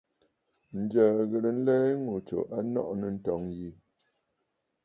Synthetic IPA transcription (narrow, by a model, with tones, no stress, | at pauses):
n̩˨d͡ʒəː˨ɣə˨ɾə˨n̩˦lɛ˦ŋu˨t͡ʃo̰˨ʔa˦nɔ̰˦ʔnə˨n̩˦tɔ˨˦ŋji˦˨